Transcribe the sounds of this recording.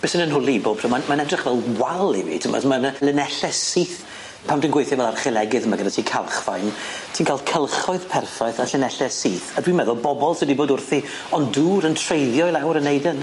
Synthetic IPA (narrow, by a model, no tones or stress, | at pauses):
b̥ɛsənənɦʊlˠiboːb̥ʰrɔmamanɛdrɪχvɛlˠwalˠḭvḭtʰəmɔ̰smanlɪnɛɬɛsiːθ | pʰawmndənɡwejθjɔvɛlˠarχɪlˠɛɡɨðmaɡədatʰiːkʰalˠχva̰jntʰiːnkʰalˠkʰəlˠχɔɨð̥pʰɛrfaɨθaɬɪnɛɬɛsiːθadwimɛðɔbɔbɔlˠsədiboːdʊrθi | ɔnduːɾəntʰrejðjɔjlˠawɾənːejdən